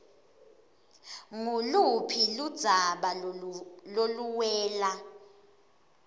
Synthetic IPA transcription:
ŋulupʰilud̥z̥ʱaɓa | loluwɛːla

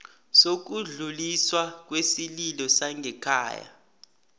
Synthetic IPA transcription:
sok̬uɮuliswak̬ʼwesililɔsaŋɡʱɛkʰa̰ːja̰

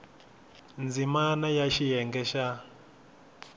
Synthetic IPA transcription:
nd͡zimanajaʃijɛŋɡɛʃa

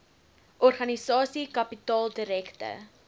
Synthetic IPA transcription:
ʔɔrχɐnisɑːsikɐpitɑːlˠdəɾɛktə̰

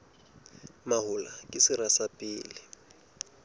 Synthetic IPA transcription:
maɦʊlakʼɪsɪrasapʼiːlɪ

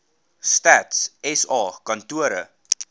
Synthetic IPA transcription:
stætsɛsɑːkɐntuəɾə

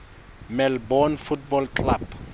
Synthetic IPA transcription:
mɛlbɔnfutbɔlkla̰b

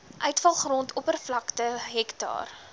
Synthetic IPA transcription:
ʔœɥtfɐlˠχrɔntʰɔpərflɐktəɦɛktɑ̰ːr

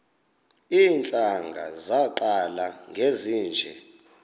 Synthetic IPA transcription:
iːnt͡ɬʼaŋɡʱa̰zaǃalaŋɡʱeziːnd͡ʒʱɛ̰

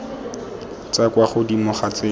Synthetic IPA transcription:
t͡sakwaχʊdimʊχat͡seː

